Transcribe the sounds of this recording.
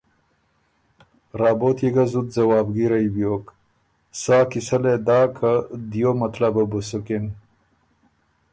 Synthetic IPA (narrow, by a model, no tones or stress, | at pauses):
ɾɑːbot̪jeɡazud̪zɐwɑːbɡiɾajbjoːk | saːkisaled̪ɑːkʰad̪jomɐt̪lababusukin